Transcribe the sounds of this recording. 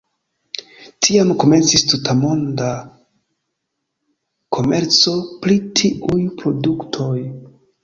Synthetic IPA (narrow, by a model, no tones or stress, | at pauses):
tʰiamko̞me̞nt͡sistutʰamo̞nda | kʰo̞me̞ɾt͡so̞pɾitʰiʔujpɾo̞duktʰo̞j